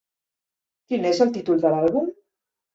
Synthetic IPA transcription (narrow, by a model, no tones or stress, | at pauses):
kinezəlˠt̪it̪ulˠd̪əlalˠβum